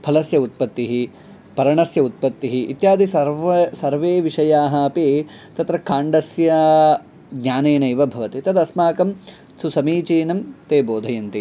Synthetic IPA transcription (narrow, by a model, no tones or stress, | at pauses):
pʰɐlɐsjɐut̪̚pɐt̪ːiɦi | pɐɾɐɳɐsjɐut̪̚pɐt̪ːiɦiʔːt̪jaːd̪ʱisɐɾɐsɐɾʋeːʋiʂɐjaːɦɐɐpeː | t̪ɐt̪ɾɐkʰaːɳɖɐsjɐ | ɡɲaːneːnɐjʋɐbʱɐʋɐt̪it̪ɐd̪ɐsmaːkɐm | susɐmiːt͡ʃiːnɐmt̪eːboːd̪ʱɐjɐnt̪i